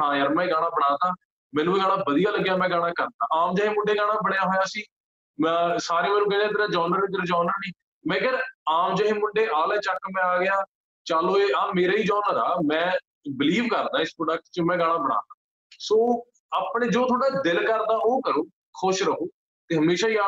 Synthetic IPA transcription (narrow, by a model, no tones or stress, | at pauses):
ɦãːjəɾmɛ̃ːɡaːɽ̃aːbəɽaːd̪aː | mɛ̃ːnũːeːɡaːɽaːbəd̪ijaːləɡːjaːmɛ̃ːɡaːɽ̃aːkəɾd̪aːʔaːmd͡ʒaːɦeːmʊɳɖeːɡaːɽ̃aːbəɽ̃ejaːɦoːjaːəsĩː | saːɾẽːmɛːnũːkɛːnaːd̪eɾaːd͡ʒaːnəɾneɡ̪əɾd͡ʒɔːnəɾnĩː | mɛ̃ːkɛːɾaːmd͡ʒaːɦĩːmʊɳɖeːʔaːlɛːt͡ʃəkːmɛ̃ːaːɡɪjaː | t͡ʃaːloːeːaːmeːɾaːiːd͡ʒaːnəɾaːmɛ̃ː | bɪliːʋkəɾd̪aːɪspɾoːɖək̚ʈt͡ʃəmɛ̃ːɡaːɽ̃ãːbəɽa̰ːd̪aː | soː | aːpɽeːd͡ʒoːt̪ʰoːɽaːd̪ɪlkəɾd̪aːʔoːkəɾoː | kʰʊʃɾəɦoː | t̪eːɦəmeːʃaːiaː